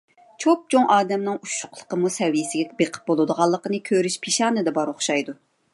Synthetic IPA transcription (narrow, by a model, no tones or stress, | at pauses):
t͡ʃʰop̚t͡ʃʰoŋʔɑːd̪ɛmnɨŋuʃʊ̥qlˠə̥qəmusɛvijɪsɪɡʲɛbeqʰə̥p̚bolˠɨd̪əʁɑlˠːəqənɨkʲʰøɾyʃpʰeʃɑːnɨd̪ɛbɑɾoχʃɑjd̪u